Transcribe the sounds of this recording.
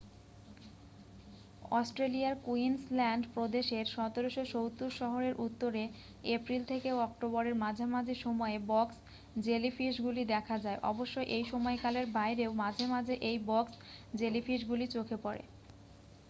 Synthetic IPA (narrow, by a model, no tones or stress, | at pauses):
ɔsʈɾeliaɾkuinslɛɳɖpɾod̪eʃeɾʃɔt̪oɾoʃoʃowt̪uɾʃɔɦoɾeɾʔut̪ːoɾe | epɾilt̪ʰekeɔk̚ʈoboɾeɾmad͡ʑʱamad͡ʑʱeʃɔmɔebɔks | d͡ʑelifiʃɡulid̪ɛkʰad͡ʑaeʔɔ̰boʃːojʔejʃɔmɔekaleɾbajɾeomad͡ʑʱemad͡ʑʱeʔejbɔksd͡ʑelifiʃɡulit͡ɕokʰepɔɾḛ